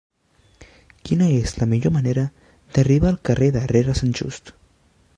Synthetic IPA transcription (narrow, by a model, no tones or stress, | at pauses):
kjenaeslameʝoɾmaneɾa | d̪̥eariβaːlkareðareɾasant͡ʃṵst̪